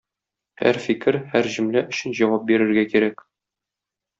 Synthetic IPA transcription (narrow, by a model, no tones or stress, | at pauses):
hæ̰ɾfikɘɾhæɾʑɵ̆mlæʔɵ̆ɕɘ̆nʑɒwɑp̚biɾɘ̆ɾɡækiɾæk